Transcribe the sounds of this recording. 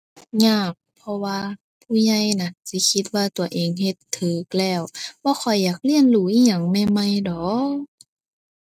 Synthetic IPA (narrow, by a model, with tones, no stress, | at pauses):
ɲaː˧˩k̚pʰɔ˧waː˧ | pʰuː˧˩ɲa˧˩jna˧˩nsi˧˦kʰi˧t̪̚waː˧t̪u˨˩ɐʔeː˨ŋhe˧˦t̪ʰːɤː˨˦k̚lɛː˧˩wbɔː˧˦xʰɔ˨˩jːaː˨˩k̚li˧˨ənluː˧˦ʔiː˧˨ɲa˧˩ŋmɛː˧˨ma˧˩jdɔ˨˦